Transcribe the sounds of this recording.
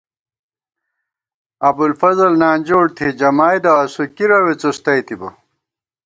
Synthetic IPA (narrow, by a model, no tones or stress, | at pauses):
ɐb̪ulfɐzɐlnaːnd͡ʑoːɽt̪ʰid͡ʑɐmaːjd̪ɐɐsukiɾɐwet͡sost̪ɐjt̪ibɐ